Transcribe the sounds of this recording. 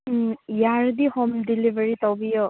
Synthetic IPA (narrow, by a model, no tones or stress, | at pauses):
jaɹd̪ihomdilibəɹit̪ɔbijɔ